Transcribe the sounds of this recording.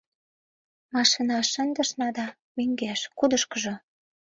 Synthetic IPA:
mɑʃinɑʃə̆nd̪ə̆ʃnɑd̪ɑ | meŋɡæʃkud̪əʃkə̆ʒŏ

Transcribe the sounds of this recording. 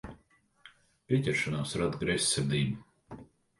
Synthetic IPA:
pʲiɛcʲɛɾʃanaːsɾad̪ɡɾɛsʲːɛɾd̪iːm

